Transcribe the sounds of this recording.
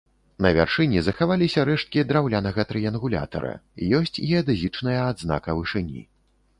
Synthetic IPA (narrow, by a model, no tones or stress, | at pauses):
nɐvʲa̰rʂɨnʲizɐxavalʲisʲɐɾɛʂt̪̚kʲid̪ɾawlʲanɐɣɐt̪ɾɨjɐnɣulʲa̰t̪ɐ̰ɾɐ̰ḭjɔsʲt͡sʲɛɐd̪ɨzʲit͡ʂnɐjɐːd̪zna̰kɐvɨʂɨnʲḭ